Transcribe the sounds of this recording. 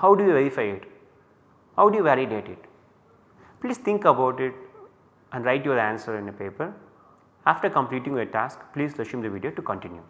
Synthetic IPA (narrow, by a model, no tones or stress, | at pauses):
haʊɖujuʋeɾifaɪɪʈ | haʊɖujuʋæɾiɖeːʈɪʈ | pliːst̪ʰɪ̃ŋkəbaʊʈɪʈ | ɛ̃ɳɖɾaɪʈjoːɾæ̃nsəɾɪ̃nəpeːpəɾ | aːfʈəɾkə̃mpliːʈĩŋʋeʈaːskpliːzlʌʃɪ̃md̪əʋiɖijoːʈukə̃ɳʈɪ̃njṵ